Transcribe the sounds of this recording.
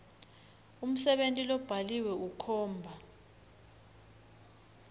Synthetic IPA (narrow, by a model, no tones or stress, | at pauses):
um̩sɛɓentʼilɔb̥ʱaliwɛukʰɔːmbʱa